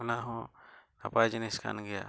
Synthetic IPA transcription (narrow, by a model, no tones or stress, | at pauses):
naɦɔ̃ | apajd͡ʒiniskʰa̰nɡɛja̰